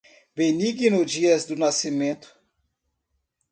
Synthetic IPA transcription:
beniɡinʊd͡ʒiɐzd̪ʊnasimẽnt̪ʊ̥

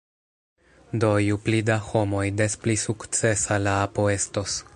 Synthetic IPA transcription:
do̞juplidaho̞mo̞jdesplisukt͡se̞salaapo̞e̞stos

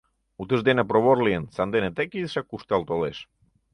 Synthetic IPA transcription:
ut̪əzd̪enapɾoβoɾliensand̪enet̪ekisakust̪alˠt̪oleʃ

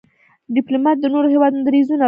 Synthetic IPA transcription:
ɖɪplomɑt̪̚d̪ənoɾoɦewɑd̪und̪aɾizuna

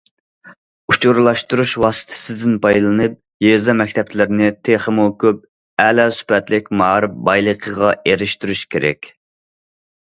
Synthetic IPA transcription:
ut͡ʃʰuɾlˠɑʃt̪uɾuʃwɑːsɨ̥t̪ʰɪ̥sɪd̪ɪnpʰɑjlˠɨnɨp̚ | jezɑmɛk̚ʲt̪ʰɛp̚t͡ʃʰlɪɾɪnɪt̪ʰeχəmukʲʰøp̚ | ɛlɛsy̥pɛt̪lɪkʲmɑːɾɨp̚bɑjlˠəqʰəʁɑeɾɪʃt̪yɾyʃkʲʰeɾɛ̰kʲ

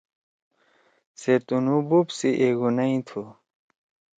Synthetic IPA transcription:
seɾt̪unububsiʔeɡunɐĩt̪ʰu

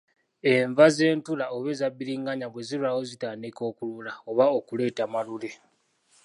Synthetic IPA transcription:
e̞ɱvaze̞ːntulaoβe̞zabːiɾiːŋɡaɲaβwe̞ziluawo̞zitaːndiko̞ːkululaoβaokule̞ːtamalule̞

